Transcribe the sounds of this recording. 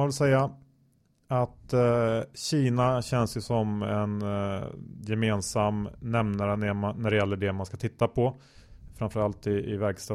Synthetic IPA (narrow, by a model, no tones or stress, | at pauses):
vɪlsɛjːa | at̪ | ɕiːnaɕɛnsjɵsɔmɛ̰n | jɛmeːnsamnɛmnaɾənɛmaːæɖɛjɛlːəɖɛmanskat̪ʰɪt̪ːapʰɔ | fɾamfəɾalt̪ɪɪvæɾɡst̪ɑ